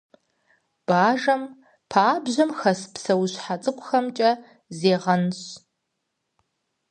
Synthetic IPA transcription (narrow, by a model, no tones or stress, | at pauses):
b̥aːʒɐm | pʰaːbʑɐmxɐspsɐwɕħat͡sʼɨkʷʼʊxɐmt͡ʃʼɐ | zeːʁɐnɕ